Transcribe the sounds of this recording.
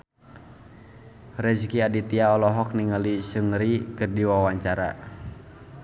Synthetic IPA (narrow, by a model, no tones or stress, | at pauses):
rɛd͡ʒkiadit̪iaɔlɔɦɔk̚niŋəlisɨŋɾikɨrdiwawaɲt͡ʃaɾa̰